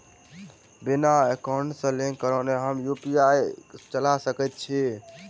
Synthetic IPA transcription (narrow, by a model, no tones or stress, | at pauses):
binaekaɳɖsə̃lekəɾəneɦəmjupiajt͡ʃəlasəkɛt̪̚t͡ʃʰi